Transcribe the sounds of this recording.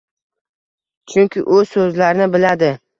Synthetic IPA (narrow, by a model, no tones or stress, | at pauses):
t͡ʃʰʊŋʲkʲɪʔʊzsɵzlaɾɪnɪbɪlad̪ɪ